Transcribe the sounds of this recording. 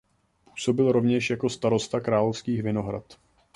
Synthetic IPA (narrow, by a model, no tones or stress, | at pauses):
pu̥ːso̞bɪlɾo̞vɲɛʃjako̞st̪aɾo̞st̪akɾaːlofskiːxvɪno̞ɦɾa̰t̪